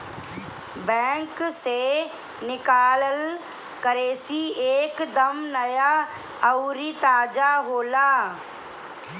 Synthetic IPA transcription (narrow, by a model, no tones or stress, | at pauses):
bɛ̃ːŋkseː | nɪkaːləl | kəɾeːsiːeːkd̪əmnəjaː | əuɾiːt̪aːd͡ʒaːɦoːlaː